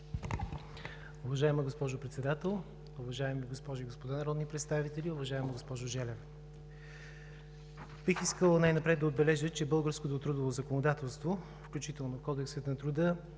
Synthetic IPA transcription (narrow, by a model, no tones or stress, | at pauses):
ʊvɐʒaɛməɡospɔʒʊpɾɛt̪sɛd̪at̪ɛlˠ | ʊvɐʒaɛmiɡospɔʒiɡospod̪anɐɾɔd̪nipɾɛt̪st̪avit̪ɛlʲiʊvɐʒaɛməɡospɔʒʊʒɛlɛv | bixiskəlˠnajnɐpɾɛd̪̚d̪ɐod̪̚bɛlɛʒət͡ʃɛbɤlˠɡəɾskot̪ot̪ɾud̪ovozəkonod̪at̪ɛlˠst̪vo | fklʲut͡ʃit̪ɛlˠnofkɔd̪ɛksət̪nɐt̪ɾud̪ə